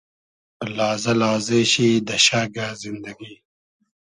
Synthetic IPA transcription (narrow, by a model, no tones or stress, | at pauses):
laːzɐlaːzeɕid̪ɐɕaːɡazind̪ɐɡiː